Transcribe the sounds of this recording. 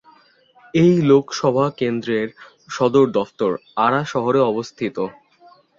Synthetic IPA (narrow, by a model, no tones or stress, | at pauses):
ejlokʃɔbʱakend̪ɾeɾ | ʃɔd̪oɾd̪ɔft̪oɾaɾaʃɔɦoɾeɔbost̪ʰit̪o